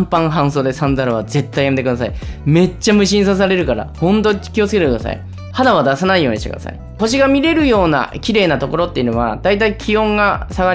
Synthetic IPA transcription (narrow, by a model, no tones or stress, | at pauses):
mpãɰ̃ɦãɰ̃so̞ːd̪e̞sãnd̪aɾɯβ̞aze̞t̪ːaijamet̪ekɯd̪as̬aime̞t͡ɕːamɯ̟ɕĩɰ̃sas̬aɾe̞ɾɯ̟kaɾa̰hõ̞nt̪̬o̞̥kʲio̞t͡sɨ̥ke̞t̪ekɯd̪a̰sa̰ḭ | had̪aβad̪asanaijo̞ːɲiɕt̪ek̟d̪a̰sa̰ḭ | ko̞ɕ̬iɡamʲiɾe̞ɾɯ̟jo̞ːna̰kʲiɾe̞ːnat̪o̞ko̞ɾo̞t̪ːe̞i̟noβa̰d̪̥ait̪aikʲʰijõ̞ŋɡasaɡa